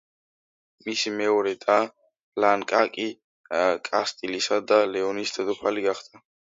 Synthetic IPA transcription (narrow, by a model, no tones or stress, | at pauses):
misimɛɔɾɛt̪ʼa | laŋkʼakʼi | kʼast̪ʼilisad̪alɛɔnisd̪ʰɛd̪ɔpʰaliɡaχd̪̥a